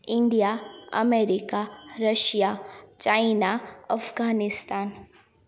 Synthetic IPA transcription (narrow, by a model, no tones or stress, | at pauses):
ɪ̃ɳɖijaɐ̰meːɾikaɾɐʃjat͡ʃaːɪnaɐfɡaːnɪst̪aːn